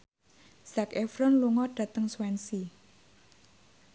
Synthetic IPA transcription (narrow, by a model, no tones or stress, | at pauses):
z̥akefɾɔnluŋɔɖ̥ä̤t̪əŋswɛnsi